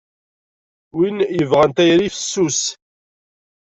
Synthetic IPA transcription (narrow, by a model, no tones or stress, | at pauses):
winjəvʁænt̪æjɾifə̥sːus